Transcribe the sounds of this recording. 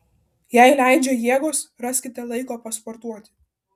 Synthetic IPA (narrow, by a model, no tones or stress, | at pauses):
jæɪlʲæˑɪd͡ʒʲoːjiɛɡoːsɾɑsʲkʲɪt̪ʲɛlˠɐɪkoːpɐspɔɾt̪uɔt̪ʲɪ